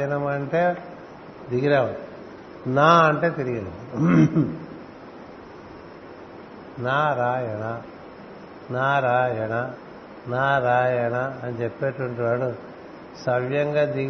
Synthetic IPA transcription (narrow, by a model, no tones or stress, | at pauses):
ɐnɐmɐɳʈe̞ː | d̪iɡiɾɛːʋɐ | naːɐɳʈe̞ːt̪eɾiɡɐnɐm | naːɾaːjɐnɐ | naːɾaːjɐnɐ | naːɾaːjɐnaːnit͡ʃepːeːʈɐʋɐɳʈiʋaːɽu | sɐʋjɐŋɡaːd̪i